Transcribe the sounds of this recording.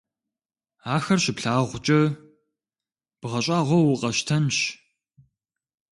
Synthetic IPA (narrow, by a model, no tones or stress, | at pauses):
aːxɐrɕɪpɬaːʁʷʊt͡ʃʼɐ | b̥ɨʁɐɕʼaːʁʷɔwʊqʼɐʃtʰɐnɕ